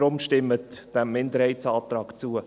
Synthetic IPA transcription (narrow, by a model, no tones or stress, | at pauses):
ɾʊmʃtɪmətd̥ɛmːɪndəɾhɛɪtsɑːt̪ɾɑːkt͡suə